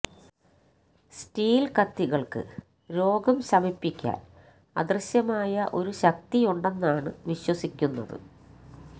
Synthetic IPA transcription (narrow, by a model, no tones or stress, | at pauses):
sʈiːlkɐt̪ːiɣɐɭkɨ̰ | ɾo̞ːɡɐmsɐmipːikʲːa̰ːl | ɐ̰d̪rɨɕjɐmaːjɐʔo̞ɾuɕɐk̚t̪ijuɳɖe̞nːaːɳɨʋiɕwɐsikʲːunːɐðɨ̰